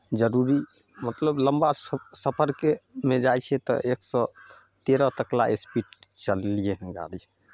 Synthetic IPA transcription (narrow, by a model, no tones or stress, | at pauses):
d͡ʒəɾuɾi | mət̪ləbləmbasəpʰəɾkemed͡ʒajt͡ʃʰɛt̪ɔ̰ʔeksɔ | t̪eɾɔt̪əkla̰espiʈt͡ʃəlijeɦɛ̃ɡa̰lit͡ʃʰɛ